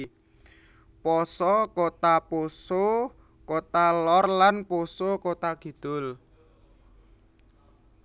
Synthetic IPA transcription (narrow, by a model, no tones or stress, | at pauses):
pɔsɔkot̪aposo | kot̪alɔrlanposokot̪aɡ̥i̤d̪̥ʊl